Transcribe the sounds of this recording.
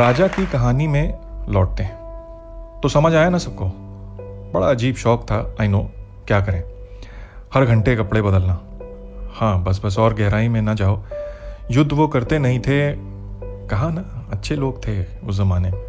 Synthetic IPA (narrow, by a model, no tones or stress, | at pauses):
ɾaːd͡ʒakikɐɦaːnimẽlɔːʈ̚t̪eɦɛ̃ | t̪osɐməd͡ʒʱaːjenasɐb̚koː | bɐɽa̰ɐd͡ʒiːbʃɔːk̚t̪ʰaainoː | kjaːkɐɾẽː | hɐɾɡʱɐ̃ɳʈekɐpɽebɐd̪əlnaː | hãːbɐs̬bɐs̬ɔːɾɡɛɦɾaːĩmẽnɐt͡ʃaːoːjʊd̪ʱːʋokɐɾt̪enɐɦĩt̪ʰe | kɐɦãnaɐtːʃʰeloːɡ̚t̪ʰe | ʊs̬zɐmaːneẽ